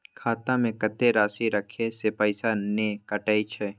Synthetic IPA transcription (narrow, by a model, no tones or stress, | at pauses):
kʰaːt̪ãmẽkət̪eɾaːsiɾəkʰesepəɪsanekəʈaːit͡ʃʰɛ